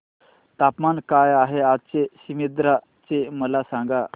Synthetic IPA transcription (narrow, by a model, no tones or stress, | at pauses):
t̪apmankajaɦeat͡seɕimid̪ɾa | t͡seməlasãŋɡa